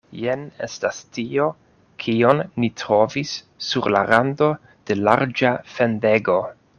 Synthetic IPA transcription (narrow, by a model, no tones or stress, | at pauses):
jene̞̰stastio̞ | kʰio̞nːitɾo̞visː | uɾla̰ɾando̞ | d̥e̞laɾd͡ʒafe̞nde̞ɡo̞